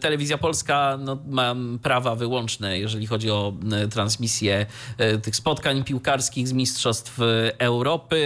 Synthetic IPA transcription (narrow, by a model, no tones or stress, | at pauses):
t̪ɛlɛvʲizʲjapɔlskanɔmapɾavavɘwɔnt͡ʂnɛjɛʐɛlʲixɔd͡ʑiɔt̪ɾansmʲisʲjɛt̪ɘxspɔt̪kaɲpʲiwkaɾskʲiɣzmʲistʂɔst̪fɛwɾɔpɘ